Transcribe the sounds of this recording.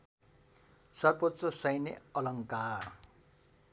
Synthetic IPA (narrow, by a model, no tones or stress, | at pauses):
sʌrbot̪rʌsʌjneʌlʌŋkaːr